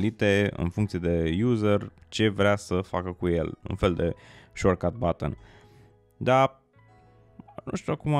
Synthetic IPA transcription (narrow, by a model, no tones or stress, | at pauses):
lit̪e̞ɨ̰nfuŋkt̪sied̪e̞juzərt͡ʃe̞vɾeasəfakəkuje̞̰lṵnfe̞ld̪e̞ʃorkat̪̚bat̪ə̰n | d̪a | nṵ̃ʃt̪uakuma